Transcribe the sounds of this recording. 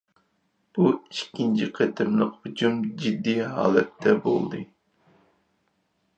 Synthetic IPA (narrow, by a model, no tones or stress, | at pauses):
b̥uiʃkʲːint͡ʃʰiqʰet̪ʰɪmnɨhʊd͡ʒumd͡ʒid̪ːiɦɑ̰ːlˠɛt̪ːɛbo̰lˠd̪ɨ